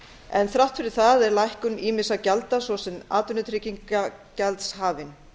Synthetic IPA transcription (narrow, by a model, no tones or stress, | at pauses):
ɛ̰nθɾawht̪fɪɾɪɾ̥θaðɛɾlajhkʏniːmɪsacalt̪asvɔsɛna̰ːt̪ʏnːʏt̪ʰɾɪciŋkacɛlt̪shaːvɪn